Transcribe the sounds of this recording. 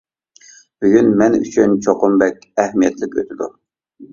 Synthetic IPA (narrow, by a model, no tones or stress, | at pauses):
b̥yɡʲynmɛny̰t͡ʃʰynt͡ʃʰoqʊmbɛk̚ʲɛhmijɛt̪lɪkʲø̰t̪ʰɪd̪ṵ